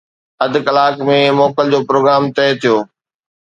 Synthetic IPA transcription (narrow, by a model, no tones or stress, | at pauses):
ɐd̪ʱkɐlaːkmẽmɔːkəld͡ʑoːpɾoːɡɾaːmt̪ɛːt̪ʰijoː